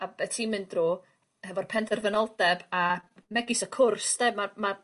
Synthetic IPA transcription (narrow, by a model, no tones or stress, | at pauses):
abɛtʰimɨndroː | hɛvɔr̥pʰɛndʰɛrvənɔlˠdɛbamɛɡɪsəkʰʊrsd̥ɛmama